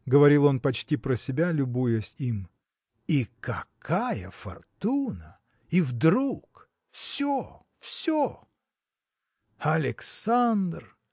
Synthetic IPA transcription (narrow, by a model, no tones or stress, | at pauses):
ɡəvɐɾʲilˠo̞npɐt͡ɕtʲipɾəsʲɪbʲalʲʊbujəsʲim | ikɐkʰajə̰fɐ̰rt̪unə | ivd̪ɾuk | fsʲo | fsʲo | ɐlʲɪksand̪r